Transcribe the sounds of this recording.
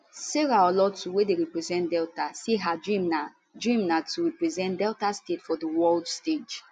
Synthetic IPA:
seɹaɔlɔtʰuwedeɹipɹizɛ̃ntdɛltaseɦadɹima | dɹĩmnatʰuɹipɹizɛ̃ntdɛltastetfɔdəwɔldsted͡ʒ

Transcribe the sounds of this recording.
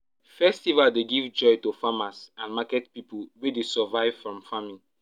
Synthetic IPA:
fɛstivaldeɡivd͡ʒɔjtufamasãnmakɛt̚pipulwedesɛvaɪv̥fɹɔ̃mfamĩ

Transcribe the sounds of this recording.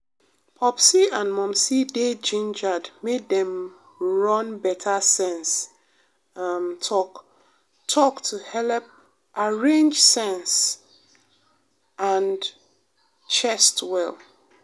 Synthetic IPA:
pʰɔpsiãnmɔ̃msided͡ʒĩnd͡ʒadmeddɛ̃m | ɹʌ̃nbɛtʰasɛ̃ns | mtʰɔk | tʰɔktʰuhɛlp̚ | ʔaɹẽnd͡ʒsɛ̃ns | ãn | t͡ʃʰɛstwɛl

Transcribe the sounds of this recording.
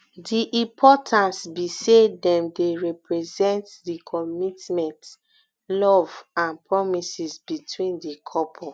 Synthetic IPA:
diʔĩpʰɔtʰãntsbisedɛ̃mdeɹɛpɹɛzɛ̃ntdikʰɔmitmɛ̃nt | lɔvãnpɹɔmisizbitʰwĩndikʰɔpʰɔ

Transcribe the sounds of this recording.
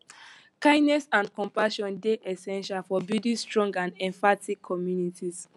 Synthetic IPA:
kãɪ̃nɛsãndkɔ̃mpaʃɔ̃ndeʔɛsɛ̃nʃalfɔbidĩstɹɔ̃ŋɡãndɛ̃ɱfatʰikʰːɔmjunitʰis

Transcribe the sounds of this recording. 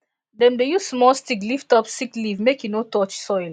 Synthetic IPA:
dɛ̃mdeju̥smɔlstikliftɔpsiklivmekjunotɔt͡ʃsɔɪl

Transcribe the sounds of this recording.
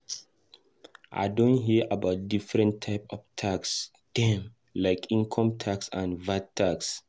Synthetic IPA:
ʔa̰ɪdõntɦiəʔabaʊt̚difɹɛ̃ntʰaɪpɔvtʰaks | d̥ɛ̃m | laɪkĩnkʰɔ̃mtʰaksã̰nvat̚tʰːaks

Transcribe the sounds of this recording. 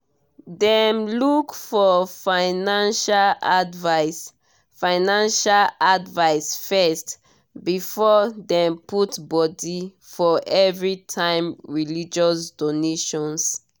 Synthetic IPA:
dɛmlukfɔfaɪnãnʃaladvas | fãɪnãnʃaladvaɪsfɛst | bifɔdɛ̃mputbɔdi | fɔʔɛvɹitʰãɪ̃mɹilid͡ʒɔsdoneʃɔ̃ns

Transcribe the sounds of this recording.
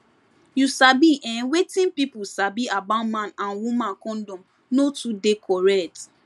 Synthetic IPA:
jusabiʔɛ̃nwetĩnpipusabiabamãnãnwumãnkɔ̃ndɔ̃m | notudekʰɔɹɛkt

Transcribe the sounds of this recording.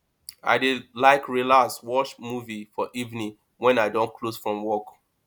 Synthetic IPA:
a̰ɪdilaɪkɹilaswɔt͡ʃmuvifɔʔivnĩŋ | wɛ̃naɪdɔ̃nkʰlosfɹɔ̃mwɔk

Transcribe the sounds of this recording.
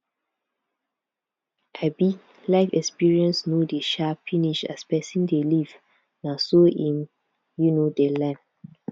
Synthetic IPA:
ʔabi | laɪfɛkspiɹiɛ̃nsnodeʃafiniʃa̰spɛsĩndeliv | nasoĩm | junodelɛ̃m

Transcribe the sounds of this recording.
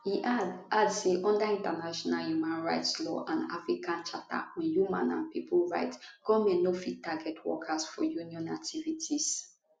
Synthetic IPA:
hiʔaadseʔɔ̃ndaĩntanaʃɔnaljumãnɹaɪtslɔ̰ʔãna̰fɹikʰãnt͡ʃata̰wɛ̃njumã̰nã̰npipulɹa̰ɪtɡ̥ɔmenofit̚taɡɛtʰwɔ̰kʰasfɔjuniɔ̃nak̚tʰivitʰis

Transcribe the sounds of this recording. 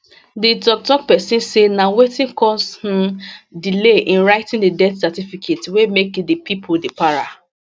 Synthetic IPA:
didɔk̚tɔk̚pɛsĩnsenawetĩnkʰɔsh̩dileʔĩnɹaɪtĩndedɛtsatifikʰetwemekdipʰipʰodepaɹa̰

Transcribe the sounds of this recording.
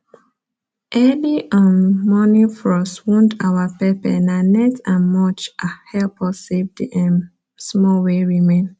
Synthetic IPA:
ʔɛliʔɔ̃nmɔnĩfɹɔswũndawapɛpɛ̰nanɛtãnmɔt͡ʃahɛlpɔsefdɛ̃m | smɔweɹimẽn

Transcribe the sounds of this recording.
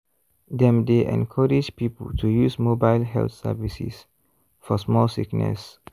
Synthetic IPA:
d̪ɛ̃mdeʔɛ̰̃nkʰəɹid͡ʒpipəltʰujusmobaɪlɦɛ̰lt̪sɛ̰visḭs | fɔsmɔlsiknɛ̰s

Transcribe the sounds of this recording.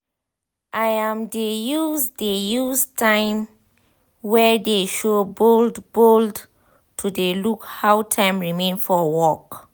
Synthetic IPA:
ʔajãmdejusdejustʰãɪ̃m | wɛdeʃoboldbold | tʰudelukhawtʰãɪ̃mɹimẽnfɔwɔk

